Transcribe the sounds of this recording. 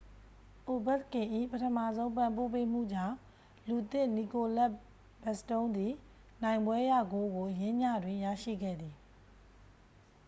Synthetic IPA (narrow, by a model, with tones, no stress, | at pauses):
ʔo˨bɛ˦t̪kɪ̃˨ʔḭ˦˨pətʰə˨mä̰˦˨zõ˦ʊ̃mpã˨mpo˦˨pe˦m̥ṵ˦˨d͡ʑã˦˨ | lu˨t̪ɪ̃˦˨ni˨ko˨la˦ʔ | b̥ɛ˨stõ˦ʊ̃nd̪i˨ | nã˨ɪ̃mbwɛ˦jä̰˦˨ɡo˨˦ɡo˨ʔjɪ̃˦ɲä˦˨dwɪ̃˨jä̰˦˨ʃḭ˦˨ɡɛ̰˦˨d̪i˨